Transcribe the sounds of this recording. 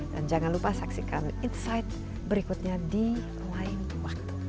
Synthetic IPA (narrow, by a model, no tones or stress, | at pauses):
da̰nd͡ʒaŋanlupasaksikaninsajt̪̚ | bəɾikut̪̚ɲadi | lain | wak̚t̪u̥